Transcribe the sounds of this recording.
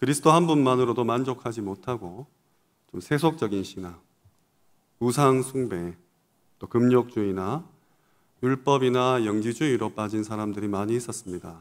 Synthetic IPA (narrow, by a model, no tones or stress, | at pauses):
kɯɾisʰɯ̥tʰoɦanbunmanɯɾodomand͡ʑokʰad͡ʑimotʰaɡo | t͡ɕomsʰe̞sʰok̚t͡ɕ͈ʌɡinɕʰina | us̬ʰaŋsʰuŋbe̞ | t͈okɯmɲok̚t͡ɕ͈uina | juɭp͈ʌbinajʌŋd͡ʑid͡ʑuiɾop͈ad͡ʑinsʰaɾamdɯɾimaɲiːs͈ʌs͈ɯmɲida